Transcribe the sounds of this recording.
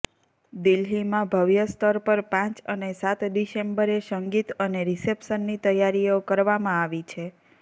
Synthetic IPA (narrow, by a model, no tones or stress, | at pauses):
d̪ilɦimãbʱəʋjəst̪əɾpəɾpãt͡ʃənesat̪diʃembəɾeʃəŋɡit̪əneɾisepʃənːit̪əjaɾiokəɾʋamãaʋit͡ʃʰe